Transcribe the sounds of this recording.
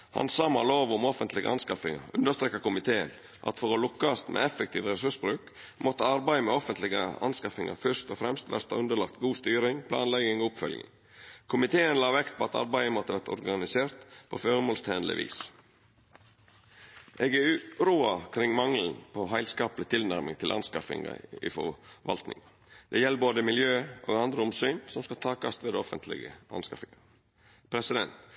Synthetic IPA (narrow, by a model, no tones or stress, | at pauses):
hɑ̰nsɑmɑ̰loːʋʊmɔfənt̪lɪɡə̰ʔɑnskɑfɪŋɑ̰ɾʉnd̪əst̪ɾeːkɑkʊmɪt̪ʰeːən | ʔɑ̰t̪fɔɾolʊkːɑst̪mʔḛːɛfɛk̚t̪ʰiːʋɾɛsʉʂbɾʉːk | mɔt̪əɑɾbæɪmɛɔfənt̪lɪɡə̰ɑ̰nskɑfɪŋɑ̰ɾfœʂt̪ɔfɾɛmst̪ʋæ̰ɾt̪ɑ̰ʉnd̪əɭɑk̚t̪ɡuːst̪yːɾɪŋpʰlɑːnlɛɡɪŋoʊpfœ̰lɡɪ̰ŋ | kʰʊmɪt̪ʰeːənlɑːʋɛkt̪̚pʰoːɑt̪ɑ̰ɾbæɪəmɔt̪ːəʋæɾt̪ɔ̰ɾɡɑnɪseːɾt̪pʰoføːɾmoːlst̪ʰeːnlɪ̰ʋḭːs | ʔeːɡɛʉɾuːɑkʰɾɪŋːmɑŋln̩pʰoɦæɪlskɑːplɪt̪ʰɪlnæɾmɪŋt̪ʰɪlʔɑ̰nskɑfɪ̰ŋɑ̰ɪ̰fɔ̰ʋɑ̰lt̪nɪ̰ŋɑ | d̪ɛjɛlːəboːd̪əmɪljøːʔo̰ːɡɑnd̪ɾəʊmsyːnsɔmskɑt̪ʰɑːkɑst̪ʋeːd̪ɔfənt̪ʰlɪ̰ɡə̰ʔɑ̰nskɑfɪŋɑ | pʰɾɛsɪd̪ɛnt̪